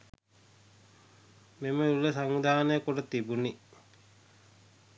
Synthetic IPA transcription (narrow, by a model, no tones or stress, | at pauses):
meməuləsaŋʋid̪ʱaːnəjəkoʈət̪ibuni